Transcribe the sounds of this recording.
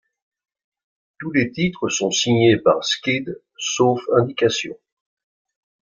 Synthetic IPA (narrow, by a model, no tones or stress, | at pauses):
t̪ulet̪it̪χəsɔ̃siɲepa̰ʁskʲid̪ | sofɛ̃d̪ikasjɔ̰̃